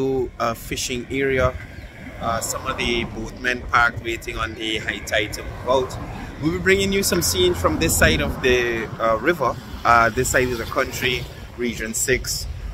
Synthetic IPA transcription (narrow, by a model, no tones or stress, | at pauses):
fɪʃɪ̃ŋɛɹiə | ʌsʌ̃mʌvðɨboθmɛ̃npʰaɹkwetɪ̃ŋə̃nðɨhaɪtʰaɪtʰəlboltwibibɹɪ̃ŋɪ̃ŋjusʌ̃msĩːnz̥fɹʌ̃mðɪsaɪɾʌvðɨɹɪvə˞ | ʌðɪsaɪɾʌvðɨkʰʌ̃nt͡ʃɹ̥i | ɹid͡ʒɨ̃nsɪks